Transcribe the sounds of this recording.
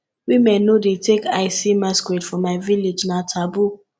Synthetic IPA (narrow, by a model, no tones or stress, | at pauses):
wimɛ̃nːodetekaɪsimaskwetfɔmaɪviled͡ʒnatʰabu